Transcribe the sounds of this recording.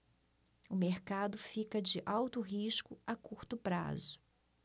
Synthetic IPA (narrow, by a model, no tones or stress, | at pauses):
ʊmeɾkad̪ʊfikɐd͡ʒɪʔawt̪ʊɦiʃkʊakuɾt̪ʊpɾa̰zʊ